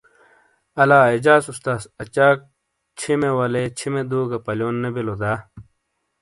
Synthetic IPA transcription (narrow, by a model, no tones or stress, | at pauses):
ɐlaːid͡ʑaːsust̪aːsɐt͡ɕaːk̚ | t͡ɕʰimewɐlet͡ɕʰimed̪uːɡɐpɐljoːnːebilod̪aː